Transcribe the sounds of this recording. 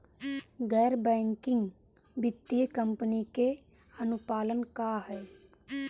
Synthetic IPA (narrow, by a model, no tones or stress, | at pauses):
ɡɛːɾbɛ̃ːŋkɪ̃ŋɡ | bɪt̪ːiəkəmpənike | ənʊpaːlənkaːɦɛː